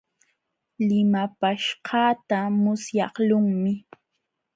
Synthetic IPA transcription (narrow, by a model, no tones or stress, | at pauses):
lɪmapaʃɢɑːt̪amʊsjɑχlʊŋmɪ